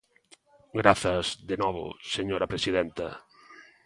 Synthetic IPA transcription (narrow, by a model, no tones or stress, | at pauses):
ɡɾaθɐzðenɔβʊ̰seɲoɾɐpɾesiðɛnt̪ɐ̰